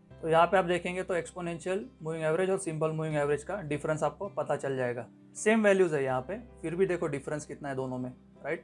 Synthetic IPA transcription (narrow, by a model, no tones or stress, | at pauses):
t̪ojɐɦãpeaːp̚d̪eːkʰẽːŋɡet̪oeːkspoːnẽːnʃijəlmuːʋɪ̃ŋɡɛːʋɾed͡ʒɔːɾsɪ̃mpəlmuːʋɪ̃ŋɡɛːʋɾed͡ʒkaɖɪfɾə̃nsaːp̚kopɐt̪at͡ʃɐld͡ʒaːeːɡaː | seːmʋɛːljuːzɦɛjɐɦãpefɪɾbʱid̪eːkʰoɖɪfɾə̃nskɪt̪naɦɛd̪oːnõmẽ | ɾaɪʈ